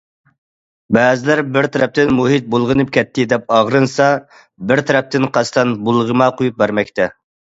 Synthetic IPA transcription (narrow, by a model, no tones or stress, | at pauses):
bɛːzɪlæɾbɪɾt̪ʰɛɾɛp̚t̪ɪnmuɦit̪̚bolˠʁənɨp̚kʲʰɛt̪ʰːɪd̪ɛp̚ɑʁɾɨnsɑ | bɪɾt̪ʰɛɾɛp̚t̪ɪnqʰɑst̪ʰɑnbulˠʁəmɑqʰojup̚bæɾmɛkʲt̪ʰɛ